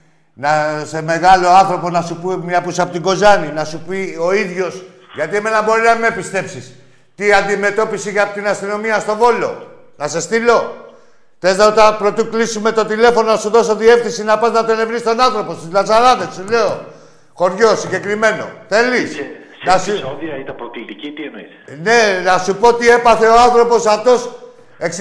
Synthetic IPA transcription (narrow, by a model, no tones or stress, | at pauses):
nɐse̞me̞ɣɐlo̞ɐnθɾo̞poznɐsupumɲɐpusɐpot̪iɡo̞zɐninɐsupio̞iðʝo̞s | ʝɐt̪ieme̞nɐbo̞ɾinɐimepist̪e̞psis | t̪iand̪ime̞t̪o̞pisiʝapot̪inɐst̪ino̞miɐst̪o̞vo̞lo̞̰ | nɐsest̪ilo̞ | t̪eznɐt̪ɐpɾot̪iklisume̞t̪o̞t̪ile̞fononɐsuðo̞so̞ðie̞fθinsinɐpɐznɐt̪ele̞vɾist̪o̞nanθɾo̞po̞st̪izlɐsɐɾɐnesule̞o | xoɾʝo̞siɲɟe̞kɾime̞no̞̰θe̞lis | nɐsuoðiɐit̪ɐpɾot̪it̪icit̪ieni | ne̞nɐsupo̞ot̪iepɐθe̞oanθɾo̞po̞sɐft̪o̞s | ek